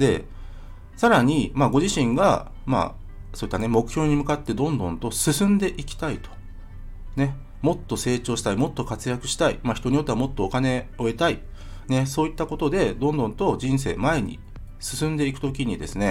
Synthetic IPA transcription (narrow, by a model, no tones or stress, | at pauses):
d̪̥e̞̰ | saɾaɲ̟imaɡo̞ʑiɕĩŋɡa̰ | ma̰ | soːit̪ːane̞mo̞kɯ̟̥çʲo̞ːɲ̟imɯ̟kat̪ːe̞d̪õ̞nd̪õ̞nt̪o̞sɨsɨ̃nd̪e̞ʔikʲi̥t̪ait̪o̥ | ne̞ | mo̞t̪ːo̞se̞ːt͡ɕo̞ːɕi̥t̪aimo̞t̪ːo̞kat͡sɨjakɯ̟ɕi̥t̪aḭmaçi̥t̪o̞ɲ̟ijo̞t̪ːeamo̞t̪ːo̞ːkane̞o̞e̞t̪ai | ne̞so̞ːit̪ːako̞t̪o̞d̪e̞d̪õ̞nd̪õ̞nt̪o̞d͡ʑĩɰ̃s̬e̞̰ːmae̞ɲ̟ḭ | sɨ̥sɨ̃nd̪e̞ikɯ̟t̪o̞kʲiɲ̟id̪e̞sɨne̞